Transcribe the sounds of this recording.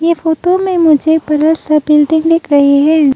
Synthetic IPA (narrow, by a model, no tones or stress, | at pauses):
jefoːtomẽmʊd͡ʒʱepɐɾəlsɐbɪlɖɪ̃ŋɡɖ̪ɪkʰɾɐɦiɦɛ̃ː